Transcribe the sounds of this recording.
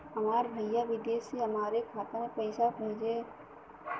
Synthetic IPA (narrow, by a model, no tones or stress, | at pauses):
ɦɐmaːɾbʱɐjaʋɪd̪eːseɦɐmaːɾekʰaːt̪amepɛɪsapeːd͡ʒeː